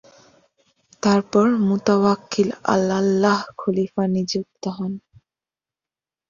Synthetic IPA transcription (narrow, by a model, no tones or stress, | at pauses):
t̪aɾpɔɹmut̪awakːila̰lːalːaɦkʰulifanid͡ʑuk̚t̪ɔɦɔn